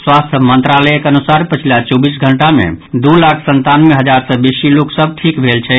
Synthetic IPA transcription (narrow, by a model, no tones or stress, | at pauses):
swast̪ʰəmənt̪ɾalɛekənusaɾpət͡ʃʰilat͡ʃɔbisɡʱəɳʈamḛ̃d̪ulakʰsənt̪anmeɦəd͡ʒaɾsə̃bisiloksəb̚ʈʰikbʱelt͡ʃʰɛ